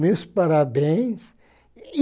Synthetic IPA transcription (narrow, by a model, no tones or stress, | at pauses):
mespaɾabẽj̃s | i